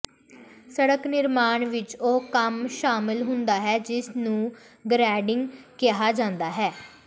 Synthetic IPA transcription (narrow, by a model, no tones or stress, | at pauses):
səɽəknɪɾmaːɳʋɪt͡ʃoːkəmʃaːmɪlɦʊnd̪aːɦɛːd͡ʒɪsnũː | ɡɾɛːɖɪŋɡkɪɦaːd͡ʒãːnd̪aːɦɛː